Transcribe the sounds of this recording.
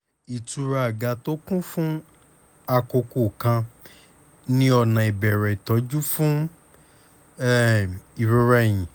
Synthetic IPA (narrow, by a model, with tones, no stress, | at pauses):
i˨tu˨˧ɾa˨a˨ɡa˧˦to˦kũ˦fũ˦ | a˧ko˧ko˨kã˧ | nĩ˦ɔ˧˨nã˨i˨bɛ˨ɾɛ˨i˨tɔ˨˦d͡ʒu˦fũ˦ | ɛ˦i˨ɾu˧ɾa˧j̃ĩ˨